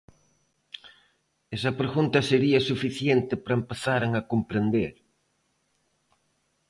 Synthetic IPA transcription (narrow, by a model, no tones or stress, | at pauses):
esɐpɾeɣunt̪ɐseɾiɐsufiθjent̪ɪpɾɐempeθaɾaŋɐkompɾend̪eɾ